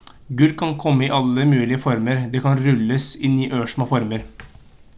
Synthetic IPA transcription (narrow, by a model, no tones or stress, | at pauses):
ɡʉlkʰɑnkʰɔmːəɪʔɑlːəmʉːlɪəfɔɾməɾd̪ɛːkɑnɾʉlːəsɪnyːʔøːʂmɑfɔɾməɾ